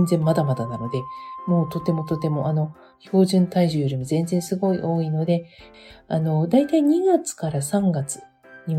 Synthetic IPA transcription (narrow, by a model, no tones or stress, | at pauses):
nd͡zẽ̞mːad̪amad̪anano̞d̪emo̞ːt̪o̞t̪e̞mo̞t̪o̞t̪e̞mo̞ʔano̞ | ço̞ːʑɨ̃nt̪aiʑɨɾimozẽ̞nd͡zẽ̞ɰ̃sɨɡo̞iʔo̞ːino̞d̪e̞ | ano̞d̪ait̪aiɲ̟iɡat͡sɨ̥kaɾasãŋɡat͡sɨ̥ | ɲ̟i